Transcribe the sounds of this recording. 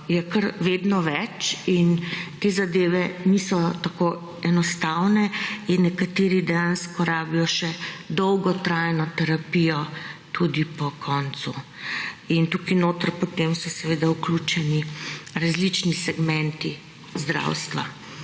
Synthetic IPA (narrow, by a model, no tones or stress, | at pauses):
jɛkəɾʋeːd̪nɔʋɛt͡ʃint̪ezad̪eːʋɛnisɔt̪ako | ɛnɔst̪awnɛinːɛkat̪eːɾid̪ɛjanskɔɾaːbijɔʃɛd̪ɔwɡɔt̪ɾajnɔt̪ɛɾapijɔt̪ud̪ipɔkʰɔnt̪su | int̪ukinoːt̪əɾpɔt̪emsɔsɛʋeːd̪auklut͡ʃɛniɾazlit͡ʃnisɛɡmɛnt̪i | zd̪ɾa̰wst̪ʋa̰